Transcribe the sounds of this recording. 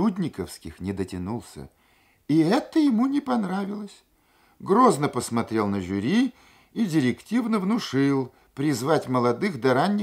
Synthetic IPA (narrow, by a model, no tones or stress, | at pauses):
udʲnʲɪkəfskʲɪ̰xnʲɪd̪ətʲɪnulˠsʲə̰ | iɛt̪əjɪmunʲɪpɐnɾavʲɪlˠəsʲ | ɡɾoznəpəsmɐt̪ɾʲe̞lˠnəʐʊɾʲi | idʲɪɾʲɪktʲivnəvnʊʂɨlˠ | pɾʲɪzvatʲməlˠɐd̪ɨxd̪ɐɾanʲːɪ